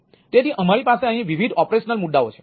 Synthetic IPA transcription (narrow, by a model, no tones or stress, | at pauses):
t̪et̪iʔəmaɾipaseə̃ɦĩʋiʋʱid̪ʱɔpɾeʃnəlmuɖ̪ːaot͡ʃʰe̥